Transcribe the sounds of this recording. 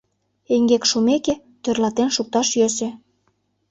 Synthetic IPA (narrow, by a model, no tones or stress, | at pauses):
eŋɡekʃumeke | t̪ørlɑt̪enʃuk̚t̪ɑʃjøsĕ